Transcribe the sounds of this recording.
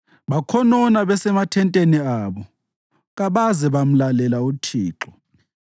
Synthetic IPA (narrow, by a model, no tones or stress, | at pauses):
ɓakʰɔnɔnaβɛsɛmatʰɛntʼeniaβɔ | ɣaβazɛβam̩lalɛlautʰiːǁɔ